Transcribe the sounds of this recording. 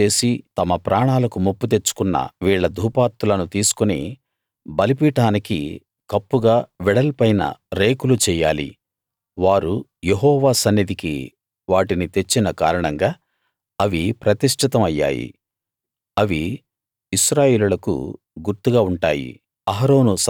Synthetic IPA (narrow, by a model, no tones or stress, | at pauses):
e̞ːsit̪ɐmɐpɾʔaːɳaːlɐkumopːut̪̬e̞t͡ʃːu̥kunːɐ̰ʋiːɭːɐd̪ʱuːpaːɾt̪ulɐnut̪iːsu̥kuni | bɐlipiːʈaːniki | kɐpːuɡaːʋɛɽɐlpɐjnɐ̰ɾe̞ːkulut͡ʃɛːjːa̰ːlḭ | ʋaːɾu | jeɦɔːʋaːsɐnːɐd̪ikḭ | ʋaːʈinit̪e̞t͡ʃːinɐka̰ːɾɐɳɐŋɡaː | ɐʋipɾɐt̪iʂʈʰit̪ɐmɐjːa̰ːjḭ | ɐʋiː | ʃɾaːje̞ːlulɐkṵ | ɡuɾt̪uɡaːuɳʈaːjḭ | ɐɦɐɾo̞ːnus